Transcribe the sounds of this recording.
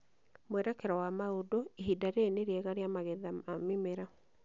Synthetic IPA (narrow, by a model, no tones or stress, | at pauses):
mwɛɾɛkɛɾɔwamaodoiɦidaɾeːneɾjɛɣaɾjamaɣɛðaamimeɾa